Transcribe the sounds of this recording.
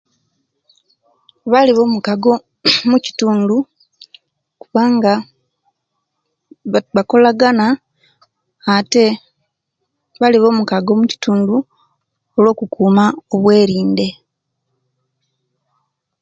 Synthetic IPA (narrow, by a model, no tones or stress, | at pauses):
βaliβo̞ːmukaɡo̞ | muci̥tuːndu | kuβaːŋɡa | βako̞laɡana | te̞ | βaliβo̞ːmukaɡo̞muci̥tuːndu | o̞lwo̞ːkukʰuːmaoβwe̞ːɾiːnde̞